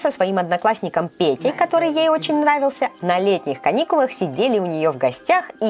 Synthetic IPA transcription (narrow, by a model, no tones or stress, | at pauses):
səsvɐimɐd̪nɐklˠasʲnʲɪkəmpʲetʲɪjkɐt̪o̞ɾɨjjejo̞t͡ɕɪnʲnravʲɪlˠsʲənɐlʲetʲnʲɪxkɐnʲikʊlˠəxsʲɪdʲelʲɪʊnʲɪjo̞vɡɐsʲtʲaxi